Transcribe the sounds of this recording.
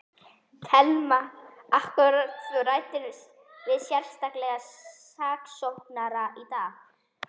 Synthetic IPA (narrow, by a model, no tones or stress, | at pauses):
t̪ʰɛlmaahkʏɾat̪ʏraːjt̪ɪɾ | vɪðsjɛr̥st̪aklɛɣa | aːksohknaɾaʔit̪aːɣ